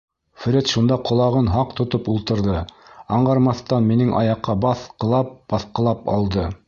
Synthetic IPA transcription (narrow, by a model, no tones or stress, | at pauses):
fɾʲet̪ʃund̪ɑqŏlˠɑʁɤnɦɑqt̪ŏt̪opulˠt̪ɤ̆ɾðɤɑɴɢɑɾmɑθt̪ɑnminɘŋʔɑ̰jɑqːɑbɑθqɤ̆lˠɑp̚b̥ɑθqɤ̆lˠɑpɑ̰lˠd̪ɤ